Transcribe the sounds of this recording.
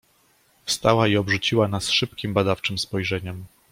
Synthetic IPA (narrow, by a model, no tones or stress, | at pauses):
fst̪awaiɔbʐut͡ɕiwanasʂɘpkʲimbad̪aft͡ʂɘmspɔjʐɛɲɛm